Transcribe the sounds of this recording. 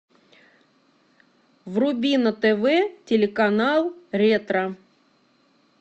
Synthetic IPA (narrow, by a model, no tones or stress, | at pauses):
vrʊbʲinət̪ɛvɛtʲɪlʲɪkanalˠɾʲet̪ɾə